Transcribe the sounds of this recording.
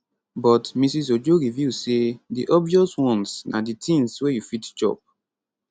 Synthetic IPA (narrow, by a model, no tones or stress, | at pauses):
bɔtmisis̬od͡ʒoɹivjusediʔɔbviɔswɔ̃nsnaditĩŋswejufitt͡ʃɔ̰p̚